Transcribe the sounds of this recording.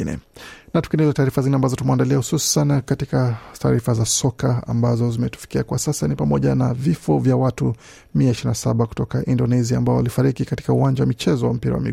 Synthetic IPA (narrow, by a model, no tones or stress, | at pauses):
nɛ̰natukɛnɛzɛtaːɾifazinɛambazɔtumɛandaliahususankatikata̰ːɾifazasɔkaa̰mbazɔzimɛtu̥fi̥kiakwasasanipamɔʄanavifɔvjawatu | miaiʃiɾinasaɓaku̥tɔkaʔindɔnɛziaːmbaɔalifaɾikikati̥kauwaɲd͡ʒawamit͡ʃɛzɔwam̩piɾa̰wa̰mḭ